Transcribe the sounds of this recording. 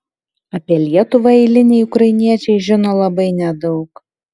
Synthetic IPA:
ɐpʲiɛlʲiɛt̪ʊʋɐɛɪlʲɪnʲɛɪʊkɾɐɪɪnʲiɛt͡ʃʲɛɪʒʲɪnoːlˠɐbɐɪnʲɛd̪ɒʊk

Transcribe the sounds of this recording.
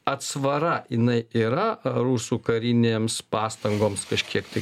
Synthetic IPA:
ɐt̪sʋɐɾɐɪnɐɪiːɾɐɾuːsuːkɐɾʲɪnʲeːmspɑːst̪ɐŋɡoːmskɐʃʲkʲiɛkt̪ɐɪ

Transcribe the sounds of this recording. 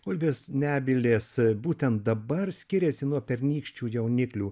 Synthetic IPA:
ʊlʲbʲeːsnʲæːbʲɪlʲeːsbuːt̪ʲɛnt̪̚d̪ɐbɐrsʲkʲɪɾʲɛsʲɪnuɔpʲɛɾʲnʲiːkʃʲt͡ʃʲuːjɛʊnʲɪklʲuː

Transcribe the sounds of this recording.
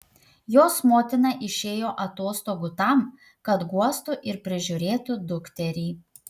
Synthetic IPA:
joːsmoːt̪ʲɪnɑʔɪʃʲeːjoːʔɐt̪oːst̪oːɡʊt̪ɐˑm | kɐt̪ɡuɔst̪ʊʔɪɾpʲɾʲɪʒʲʊɾʲeːt̪ʊd̪ʊkt̪ʲɛɾʲiː

